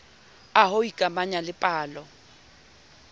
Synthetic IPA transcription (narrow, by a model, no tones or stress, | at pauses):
aɦoikʼamaɲalɪpʼaːlɔ